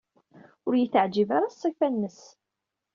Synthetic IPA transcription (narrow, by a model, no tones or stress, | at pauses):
ʊɾjəθəʕd͡ʒivaɾasˤːifænːəs